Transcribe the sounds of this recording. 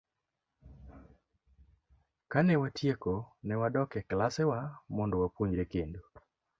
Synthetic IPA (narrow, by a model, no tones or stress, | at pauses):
kanɛwatʰjekonɛwadɔkɛklasɛwamɔndɔwapoɲɾekendo